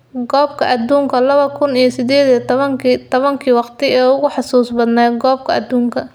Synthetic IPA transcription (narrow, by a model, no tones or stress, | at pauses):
ɡɔːb̚kʰɐʔɐd̪uːŋkʰɐlɐβɐkʰʊnijɞsɪd̪ɛːðit̪ŋt̪ʰɔβɐŋkʰiːwɑqt̪ʰɪɛːʊɣʊħɑsuːsbɐd̪nɛːɡɔːb̚kʰɐɐd̪uːŋkʰɐ